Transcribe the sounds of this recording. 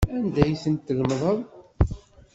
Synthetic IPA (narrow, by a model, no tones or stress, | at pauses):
ænd̪æjθənt̪ːəɣmðˤəðˤ